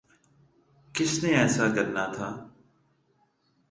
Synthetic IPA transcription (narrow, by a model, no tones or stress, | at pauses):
kɪsnẽːɛːsaːkəɾnaːt̪ʰaː